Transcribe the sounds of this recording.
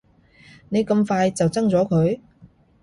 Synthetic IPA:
ne˨˧jkɐ˧mfaː˧jt͡sɐ˨wt͡sɐ˥ŋt͡sɔː˨˥kʰɵ˨˧ɥ

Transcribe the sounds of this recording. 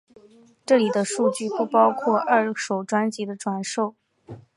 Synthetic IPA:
ʈ͡ʂɤ˥˩li˨˩d̪ə˦ʂu˥˧t͡ɕy˥˩pu˥˩pɑ˥ʊkʰwɔ˥˧ʔɐ˞˥˩ʂo˨˩ʊʈ͡ʂwa˥nt͡ɕi˧˥d̪ə˧ʈ͡ʂwa˨˩nʂo˥˩ʊ

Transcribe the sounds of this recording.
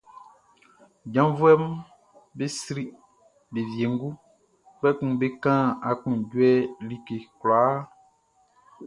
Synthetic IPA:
d͡ʒã˦vu˦ɛ˦m˦ | be˦sɾi˦ | be˨vje˨ŋ̩˦ɡu˦ | k͡pɛ˦kũ˨be˦kã˦a˨kũ˨ɟwɛ˦li˦˨ke˨kla˨˦

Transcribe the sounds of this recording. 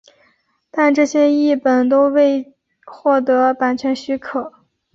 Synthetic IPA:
t̪a˥˧nʈ͡ʂɤ˥˩ɕjɛ˥i˥˩pə˨˩nt̪o˥ʊwe˥˧ɪ | xwɔ˥˩t̪ɤ˧˥pa˨˩nt͡ɕʰɥɛ˧˥nɕy˧˥kʰɤ˨˩˦

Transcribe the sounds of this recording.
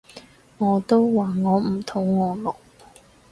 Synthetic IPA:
ŋɔː˨˧t̪o˥wwaː˨ŋɔː˨˧m̩˨˩t̪ʰʊ˨˥˩ŋːɔː˨˧lʊ˨˩k̚

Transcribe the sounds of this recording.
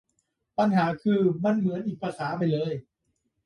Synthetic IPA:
pa˧nhaː˩˦kʰɯː˧ma˧˨nmɯ˩˦ənʔiː˨˩k̚pʰa˧saː˩˦pa˧jlɤː˧˩j

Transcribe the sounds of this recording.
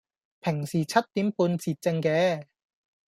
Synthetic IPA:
pʰe˨˩ŋsiː˨˩t͡sʰɐ˥t̚t̪i˨˥mpuː˧nt͡siː˧t̚t͡se˧ŋkɛː˧

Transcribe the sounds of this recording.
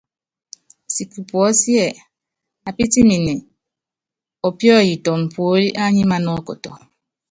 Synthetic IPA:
si˨ku˨pwɔ˨˦sjɛ˨ | a˨pi˦ti˦ni˨ne˨ | ɔ˨pjɔ˦˨ji˨tɔ˨m̩˨pʰo˨˦li˦ʔa˦ɲi˦ma˦nɔ˦kɔ̰˨tɔ̰˨

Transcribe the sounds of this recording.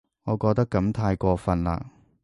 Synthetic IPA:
ŋɔː˨˧kɔː˧k̚t̪ɐ˥kːɐ˨˥mt̪ʰaː˧jkʷɔː˧fɐ˧nla̰ː˧

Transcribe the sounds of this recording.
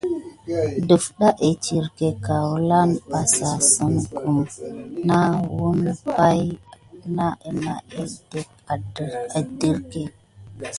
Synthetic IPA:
du˨fɗa˦ʔe˨t͡ʃi˨ɾke˨ka˨wu˦la˦nba˨sa˨sə˨nku˨mna˦wu˦npa˦jna˦ʔe˨na˨e˦d̥e˦k̚ | a˨da˨di˦ɾke˨

